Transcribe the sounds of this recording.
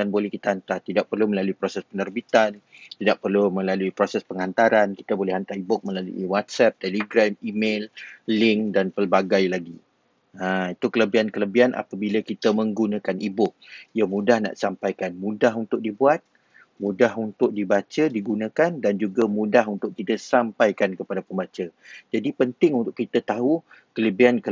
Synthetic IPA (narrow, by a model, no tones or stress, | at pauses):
danbolɛhkit̪aɦant̪art̪idaʔ̚pərluməlaluipɾosɛspənərbit̪an | t̪idaʔ̚pərlumə̃laluipɾosɛspəŋant̪aɾanki̥t̪əbolɛhant̪aɾibʊk̚məlaluiwat̪̚sɛp̚t̪ɛliɡɾamimellɪŋkdanpəlbaɡajlaɡi | ait̪ukələbiankələbianʔa̰pabiləkit̪əmə̃ŋɡunãkanibʊk̚ijamũdahna̰ʔsampajkanmũdaɦunt̪ʊk̚dibuat̪̚ | mũdahunt̪ʊk̚dibat͡ʃədiɡunãkandand͡ʒuɡamũdaɦunt̪ʊk̚t̪idasampajkankəpadapənbat͡ʃəd͡ʒadipənt̪ɪŋunt̪ʊʔkit̪at̪aɦu | kələbiankə